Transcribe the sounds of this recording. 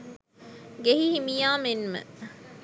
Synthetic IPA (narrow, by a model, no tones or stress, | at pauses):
ɡeɦihimijaːmenmə̰